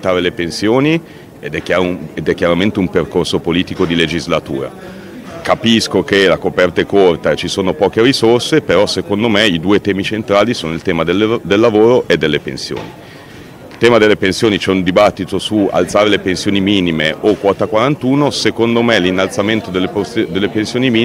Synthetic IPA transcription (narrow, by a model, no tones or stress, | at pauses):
t̪ːaːɾelepensjoːni | ed̪ɛkːjaːɾoed̪ɛkːjaɾament̪eumperkorsopoliːt̪ikod̪iled͡ʒizlat̪ṵːɾa̰ | kapiskokelakopɛrt̪ekort̪at͡ʃisoːnopɔːkeɾisorsepeɾɔsekond̪omeid̪uːet̪ɛːmit͡ʃent̪ɾaːlisoːnoilt̪ɛːmad̪elːd̪elːavoːɾoʔed̪ːelːepensjo̰ːni | ilt̪ɛːmad̪elːepensjoːnit͡ʃɛund̪ibat̪ːit̪osua̰lt̪saːɾelepensjoːnimiːnimeʔokwɔːt̪akwaɾant̪uːnosekond̪omelinːalt̪sament̪od̪elːeposd̪elːepensjoːnimiː